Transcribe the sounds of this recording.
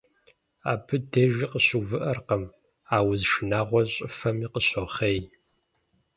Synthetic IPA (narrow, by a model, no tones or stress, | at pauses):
a̰ːpʰɨdeʒiqəɕuvɨʔɐrqɐm | aːwzʃɨnaːʁʷɔɕʼɪfɐmiqəɕɔχej